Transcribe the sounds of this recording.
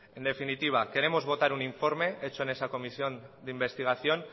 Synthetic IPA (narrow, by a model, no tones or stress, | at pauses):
e̞nd̪e̞finit̪iβ̞ake̞ɾe̞mo̞zβ̞o̞t̪aɾuniɱfo̞ɾme̞e̞t͡ʃo̞e̞ne̞sako̞misjo̞nd̪imbe̞st̪iɣ̞aθjo̞n